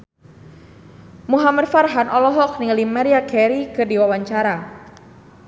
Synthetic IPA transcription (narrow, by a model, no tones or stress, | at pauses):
muɦamadfarɦanʔɔlɔɦɔk̚niŋalimaɾiakɛɾikɨrdiwawaɲt͡ʃaɾa